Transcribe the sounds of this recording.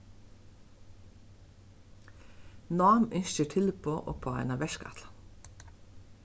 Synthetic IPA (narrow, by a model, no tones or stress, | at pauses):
nɑːmʏnʃəʈʰɪlpʰoːʔo̰ːpʰoːæ̰ɪnɑːʋɛʃkɑ̰t̪lɑ